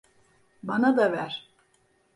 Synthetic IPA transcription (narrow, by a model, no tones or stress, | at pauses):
banad̪avæɾ̥